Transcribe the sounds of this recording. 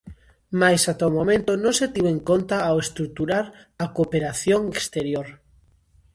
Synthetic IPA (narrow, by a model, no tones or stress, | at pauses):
majsat̪aomomẽnt̪onõŋset̪iwẽŋkont̪aawest̪ɾuk̚t̪uɾaɾ | akopeɾaθjoŋekst̪eɾjoɾ